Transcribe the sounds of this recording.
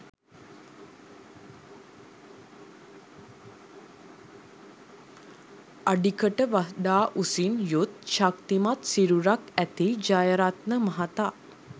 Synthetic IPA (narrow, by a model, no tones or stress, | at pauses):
aɖikəʈəʋaɦd̪aːʔusinjut̪̚ʃakt̪imat̪siɾuɾakæt̪id͡ʒajəɾat̪̚nəmaɦat̪a